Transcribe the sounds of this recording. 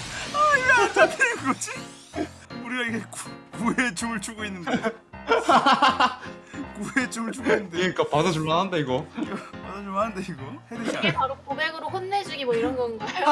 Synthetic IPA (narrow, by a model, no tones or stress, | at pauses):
aatapʰekɯɾʌd͡ʑi | uɾiɡaiɡekukuet͡ɕumɯɭt͡ɕoɡoinːɯnde | kuet͡ɕumɭt͡ɕʰuɡoinːɯndeeik͈apadad͡ʑoɭmaɦandeiɡʌpadad͡ʑoɭmanandeiɡʌhedɯiaepaɾokobe̞ɡɯɾoɸonːed͡ʑuɡimʌiɾʌnɡʌnɡʌejo